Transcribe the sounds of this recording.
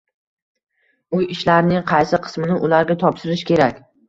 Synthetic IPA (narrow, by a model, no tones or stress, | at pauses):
ʊjɪʃlaɾnɪŋqʰɑjsɪqʰɨ̥smɪnɪʔʊlaɾɡʲat̪ʰɒpʃɪɾɪʃkʲʰe̞ɾakʲ